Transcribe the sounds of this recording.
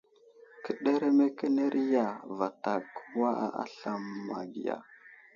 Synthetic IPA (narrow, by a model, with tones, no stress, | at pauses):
kə˨ɗe˦ɾe˦me˦ke˦ne˦ɾʔi˦ja˨va˨ta˨ku˦wa˦a̰˦ɬa˨mːa̰˨ɡi˨ja̰˨